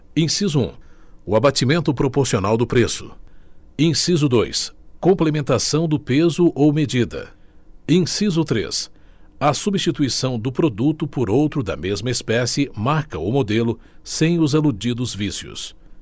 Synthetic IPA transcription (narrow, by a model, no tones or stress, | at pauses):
ẽsizʊṵ̃ | ʊabat͡ʃimẽnt̪ʊpɾopoɾsionawd̪ʊpɾesʊ̥̰ | ẽsizʊd̪ojskõmplemẽnt̪asɐ̃w̃d̪ʊpezʊʔowmed͡ʒid̪ɐ̰ẽsizʊt̪ɾḛs | ɐsubist͡ʃit̪uisɐ̃w̃d̪ʊpɾod̪ut̪ʊpʊɾowt̪ɾʊd̪ɐ̰mezmɐespɛsɪmaɾkɐʊmod̪elʊ | sẽj̃ʊzalud͡ʒid̪ʊzvisjʊ̰s